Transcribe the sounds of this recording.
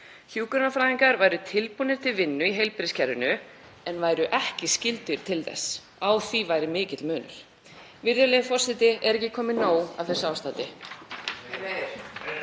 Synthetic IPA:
çjuːkʏɾnafɾaːðiŋkaɾvaːjɾʏt̪ʰɪlpunɪɾ̥t̪ʰɪlvɪnːʏiɦejlpɾɪscʰɛɾðʏnʏ | ɛnvaːjɾʏʔɛhcɪscɪlt̪ʏɾ̥t̪ʰɪlθɛ̰sː | aːwθivaːjɾɪmɪːcɪt̪lmœːnʏ̰ɾ̥ | vɪɾjʏlejðfɔr̥sɪt̪ɪʔɛɾɛhcːɪkʰɔːmɪnoːwa̰vθɛsːʏaːwst̪aːt̪ɪ

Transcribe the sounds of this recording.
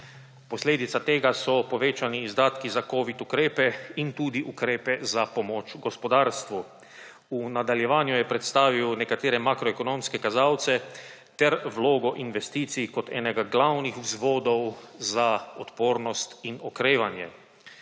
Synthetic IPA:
posleːd̪it̪sat̪eːɡasɔpɔʋeːt͡ʃaniːzd̪aːt̪kizakoːʋit̪ukɾeːpɛint̪uːd̪iʔukɾeːpɛzapɔmoːt͡ʃɡɔspɔd̪aːɾst̪ʋu | unad̪aljɛʋaːnjujɛpɾɛt̪st̪aːʋiwnɛkat̪eːɾɛmaːkɾɔekonomskɛkazaːwt̪sɛ | t̪ɛɾʋloːɡɔʔinʋɛst̪iːt̪sikɔt̪ʰɛ̰ːnɛɡaɡlawnixwzʋoːd̪ɔwzaɔt̪poːɾnɔst̪inɔkɾeːʋanjɛ̰

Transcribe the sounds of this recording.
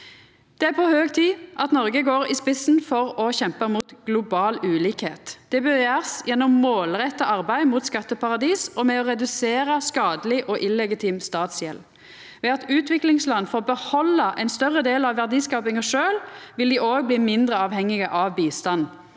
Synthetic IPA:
d̪̥ɛæʁpʰɔhøːɡt̪ʰiːʔɑt̪nɔʁɡəɡoːʁɪːspɪsn̩fɔʁɔçɛmpəmuːt̪ɡ̥lʊbɑːlʉːliːkhḛːt̪d̪̥ɛbœɾjæːʁsjɛnːɔmːoːlʁɛt̪ːɑʔɑʁbæɪmuːt̪skɑt̪ːəpʰɑʁɑd̪iːsɔmɛɔʁɛd̪ʉseːɾəskɑːd̪əlɪʔɔʔɪlɛɡɪt̪ʰiːmst̪ɑːt̪sjɛl | ʋɛɑt̪ʉːt̪ʋɪklɪŋslɑnfɔbəhɔlːɑʔɛɪnst̪œʁːəd̪eːlɑʋːæʁd̪iːskɑːpɪŋɑʂøːlʋɪld̪iʔoːɡ̚bliːmɪnd̪ʁəɑːʋhɛŋːɪɡəʔɑʋbiːst̪ɑn

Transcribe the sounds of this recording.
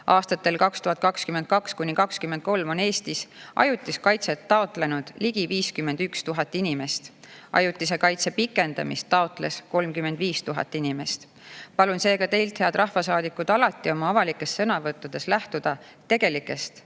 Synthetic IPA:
ɑːst̪ɑt̪ːˑe̞lkɑkst̪uɦɑt̪̚kɑkskyment̪̚kɑkskunʲːikɑkskymːend̪̥̚ko̞lmo̞ne̞ːst̪isʔɑ̰jut̪ˑːiskɑjt̪set̪ːɑo̞t̪ˑle̞nud̪̥liɡ̥iviːskymːe̞nd̪̥ykst̪uɦɑt̪ːˑinʲime̞st̪ | ʔɑ̰jut̪ˑːisekɑjt̪se̞pikːˑe̞nd̪̥ɑ̰mḭst̪ːɑo̞t̪ˑle̞̰sko̞lmkyme̞nd̪̥viːst̪uɦɑ̰t̪ːˑinʲime̞st̪ | pɑlunse̞ːɡ̥ɑt̪e̞jlt̪he̞ɑd̪̥ɾɑhfɑsɑːd̪ikːˑud̪̥ɑlɑt̪ːˑio̞mɑɑvɑlikːˑe̞stːsɤnɑvɤt̪ˑːud̪̥e̞slæht̪ud̪̥ɑt̪e̞ɡ̥e̞likːˑe̞st̪

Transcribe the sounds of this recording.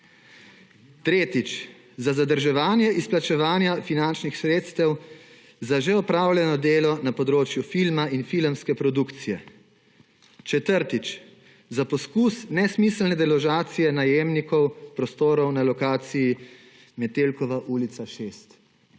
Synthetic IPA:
t̪ɾeːt̪it͡ʃ | zazad̪əɾʒɛʋaːnjɛʔisplat͡ʃɛʋaːnjafinant͡ʃnixsɾeːt̪st̪ɛw | zaʒeɔpɾaːwlʲjɛnɔd̪eːlɔnapɔd̪ɾoːt͡ʃjufilmainfilmskɛpɾɔd̪ukt̪sijɛ | t͡ʃɛt̪əɾt̪it͡ʃ | zapɔskusnɛsmislnɛd̪ɛlɔʒaːt̪sijɛnajeːmnikɔwpɾɔst̪oːɾɔwnalɔkaːt̪siji | mɛt̪eːlkɔʋaʔuːlit̪saʃeːst̪

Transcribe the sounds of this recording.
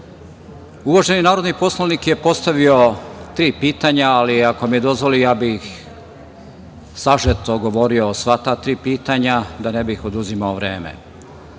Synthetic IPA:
uʋaʒe̞ninaːɾod̪nipo̞slˠonikje̞po̞st̪aʋiot̪ɾiːpiːt̪aɲaaliako̞mijed̪o̞zʋo̞lijaːbix | saʒet̪oɡo̞ʋo̞ɾiosʋat̪aːt̪ɾiːpiːt̪aɲad̪anebixod̪uzimaoʋɾe̞ːmḛ

